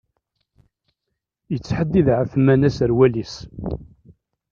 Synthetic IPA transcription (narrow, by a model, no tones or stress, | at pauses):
jət͡sːħəd̪ːiðʕəfmænæsəɾwælis